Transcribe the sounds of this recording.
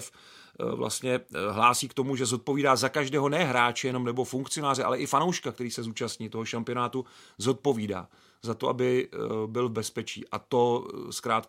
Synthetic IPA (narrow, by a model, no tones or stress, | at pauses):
f | vlʔa̰st̪ɲɛɦlaːsiːkt̪o̞muʒɛzo̞t̪̚po̞viːdaːzakaʒdɛːɦo̞nɛɦɾaːt͡ʃɛjɛno̞mnɛbo̞fuŋkt͡sɪo̞naːrɪʔa̰lɛʔɪfano̞wʃkak̚t̪ɛɾiːsɛzuːt͡ʃast̪ɲiːt̪o̞ɦo̞ʃampɪo̞naːt̪uzo̞t̪̚po̞viːda̰ː | zat̪oʔa̰bɪbɪlvbɛspɛt͡ʃḭːʔa̰t̪o̞skɾaːt̪